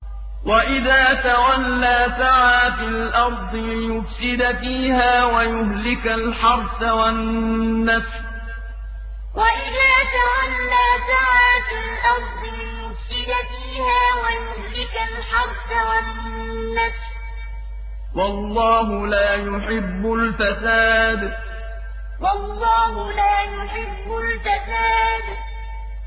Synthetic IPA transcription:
waʔɪðaːt̪awalːaːsaʕaːfɪlʔɑɾˤd̪ˤɨjʊfsɪd̪fiːhaːwajʊhlɪkalħɑɾˤt̪awanːas | waʔɪðaːt̪awalːaːsaʕaːflʔɑɾˤd̪ˤɨɪjʊfsɪd̪fiːhaːwajʊmlɪkalħɑɾˤsawa | nːafs | wɑlˤːɑːɦʊlaːjʊħɪbːʊlfasaːd̪ | wɑlˤːɑːhʊlaːjʊħɪbːʊlfasaːd̪

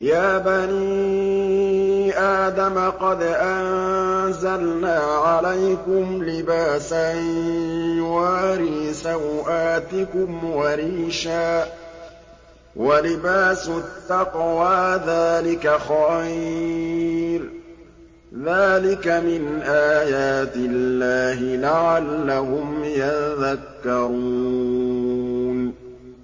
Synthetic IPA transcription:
jaːbaniː | ʔaːd̪amaqɑd̪ʔanzalnaːʕalajkʊmlɪbaːsa | waːɾiːsawʔaːt̪ɪkʊmwaɾiːʃaː | walɪbaːsʊt̪ːɑqwaːðaːlɪkaxaj | ɾ | ðaːlɪkamɪnʔaːjaːt̪ɪllːaːɦɪlaʕalːaɦʊmjaðakːɑɾuː | n

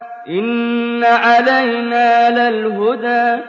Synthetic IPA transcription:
ʔɪnːaʔalajnaːlalɦʊd̪aː

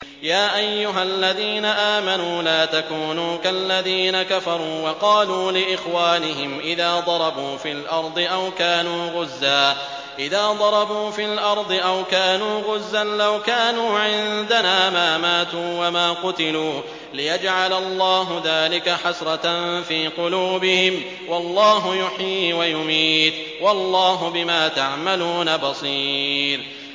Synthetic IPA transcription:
jaːʔajːʊɦalːaðiːnaʔaːmanuːlaːt̪akuːnuːkalːaðiːnakafɑɾˤuːwɑqɑːluːlɪʔɪxwaːnɪɦɪmʔɪðaːd̪ˤɑɾˤɑbuːfiːlʔɑɾˤd̪ˤɨʔawkaːnuːɣʊzːaː | ʔɪðaːd̪ˤɑɾˤɑbuːfiːlʔɑɾˤd̪ˤɨʔawkaːnuːɣʊzːanlawkaːnuːʕɪnd̪anaːmaːmaːt̪uːwamaːqʊt̪ɪluː | lɪjad͡ʒʕalalˤːɑːɦʊðaːlɪkaħasɾˤɑt̪anfiːqʊluːbɪhɪm | wɑlˤːɑːɦʊjʊħiːwajʊmiːt̪ | wɑlˤːɑːɦʊbɪmaːt̪aʕmaluːnabɑsˤiːɾ

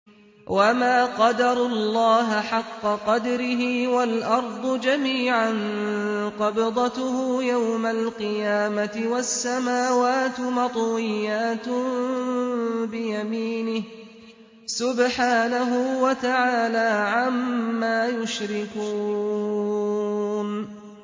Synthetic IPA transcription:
wʔamaːqɑd̪ɑɾˤʊlːɑːɦɪħɑqːɑqɑd̪ɾɪɦɪwalʔɑɾˤd̪ˤʊd͡ʒamiːʕan | qɑbɪd̪ˤɑt̪ʊhujawmalqɨjaːmat̪ɪwasːamaːwaːt̪ɪmɑt̪ˤwɪjːaːt̪ʊ | bɪjamiːnɪh | sʊbħaːnaɦʊwat̪aʕaːlaːʕamːaːjʊʃɾɪkuː | n

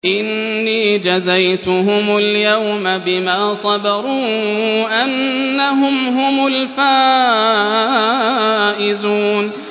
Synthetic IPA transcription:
ʔɪnːiːd͡ʒazajt̪ʊɦʊmʊljawmabɪmaːsˤɑbɑɾˤuːʔanːaɦʊmɦʊmʊlfaː | ʔɪzuːn

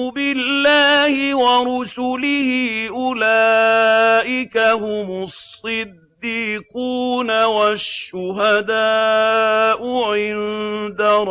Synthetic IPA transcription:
bɪlːaːhɪwaɾʊsʊlɪhiːʔʊla | ʔɪkahʊmʊsˤːɨd̪ːiːquːnawaʃːʊɦad̪aː | ʔʊʕɪnd̪aɾˤ

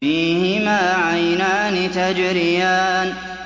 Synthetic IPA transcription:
iːhɪmaːʕajnaːnɪt̪ad͡ʒɾɪjaːn

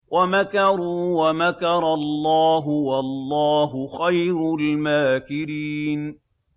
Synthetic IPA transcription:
wʔamakɑɾuːwamakɑɾˤɑllˤːɑːɦʊwalˤːɑːɦʊxajɾʊlmaːkɪɾiːn

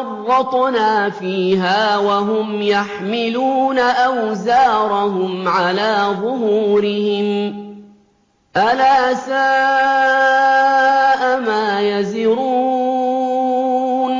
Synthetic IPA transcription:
ɑrˤːɑt̪ˤnaːfiːɦaːwaɦʊmjaħmɪluːnaʔawzaːɾˤɑɦʊmʕalaːðˤʊhuːɾɪhɪm | ʔalaːsaː | ʔamaːjazɪɾuː | n

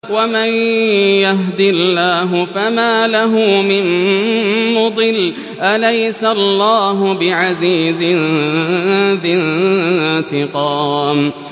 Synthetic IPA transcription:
wamajjaɦd̪ɪlːaːɦʊfamaːlaɦʊmɪn | mʊd̪ˤɨl | ʔalajsalːaːɦʊbɪʕaziːzɪn | ðɪn | t̪ɪqɑːm

